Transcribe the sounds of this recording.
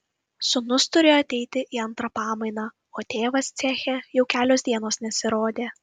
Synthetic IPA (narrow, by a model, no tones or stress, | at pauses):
sʊnʊst̪ʊɾʲeːjoɐt̪ʲɛɪt̪ʲɪʔiɐnt̪ɾɐpɑːmɐɪnɑː | oːt̪ʲeːʋɐst̪sʲæːxʲejɛʊkʲæːlʲoːsd̪ʲiɛnoːsnʲɛsʲɪɾoːd̪ʲeː